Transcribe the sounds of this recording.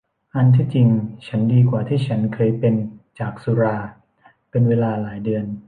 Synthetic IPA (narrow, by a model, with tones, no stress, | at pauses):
ʔa˧nt̪ʰiː˥˩t͡ɕi˧ŋt͡ɕʰa˦˥ndiː˧k̬waː˨˩t̪ʰiː˥˩t͡ɕʰa˦˥nkʰɤː˧jpe˧nt͡ɕaː˨˩k̚su˧ɾaː˧ | pe˧nweː˧laː˧laː˩˦jdɯ˧ən